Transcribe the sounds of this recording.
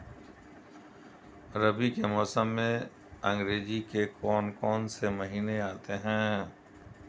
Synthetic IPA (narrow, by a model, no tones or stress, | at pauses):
ɾəbikemɔːsəmːẽ | ɐ̃ŋɡɾeːd͡ʒikekɔːnkɔːnsemɐɦiːneaːt̪eɦɛ̃ː